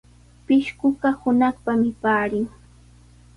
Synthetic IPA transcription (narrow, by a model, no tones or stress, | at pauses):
pɪʃkʊɢahʊnaχpamɪpaːɾɪŋ